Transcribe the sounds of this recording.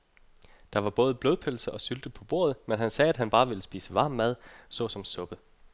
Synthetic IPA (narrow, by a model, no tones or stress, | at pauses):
d̥ɑ̈ʋɑ̈b̥ɔ̽ːð̞ˠb̥loðˠpʰølsɐʔɒ̽syld̥əpʰɒ̽b̥o̝̰ɐ̰ð̩ˠmenɦænsɛːæd̥ɦænb̥ɑ̈ːʋe̝ləsb̥ḭːsəʋɑ̈ːmːæð̞ˠsɔ̰̽ːsɒ̽msɔ̽b̥ə